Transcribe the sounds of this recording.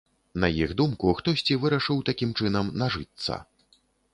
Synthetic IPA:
nɐjiɣd̪umkuxt̪ɔsʲt͡sʲivɨɾɐʂɨwt̪akʲimt͡ʂɨnɐmnaʐɨt̪sːɐ̰

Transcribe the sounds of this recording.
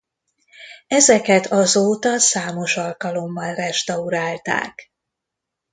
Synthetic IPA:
ɛzɛkɛt̪ʰɒzoːt̪ɒsaːmo̞ʃɒlkɒlo̞mːɒlrɛʃt̪ɒuɾaːlt̪a̰ːk

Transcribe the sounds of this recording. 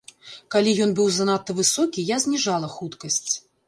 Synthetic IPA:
kalʲijɔnbɨwzanat̪ːɐvɨsɔkʲijazʲnʲiʐalˠɐxut̪kɐsʲt͡sʲ

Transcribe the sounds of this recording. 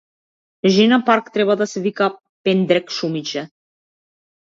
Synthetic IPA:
ʒinapaɾkt̪ɾɛbad̪asɛvika | pɛnd̪ɾɛkʃumit͡ʃɛ

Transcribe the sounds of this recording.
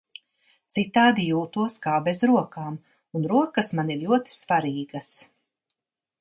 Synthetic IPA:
t̪sit̪aːd̪ijuːt̪uɔskaːbɛzɾuɔkaːm | unɾuɔkɐsmaniɾlʎuɔt̪i̥svaɾiːɡɐs

